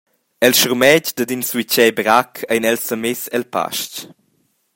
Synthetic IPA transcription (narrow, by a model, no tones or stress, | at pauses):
ɛlʃuɾmɛɟd̪ədinswit͡ʃɛbɾakʰajnɛlsəmɪsɛlpa̰ʃc